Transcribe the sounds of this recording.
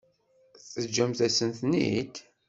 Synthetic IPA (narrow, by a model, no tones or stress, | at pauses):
θəd͡ʒːæmθæsənθnḭt̪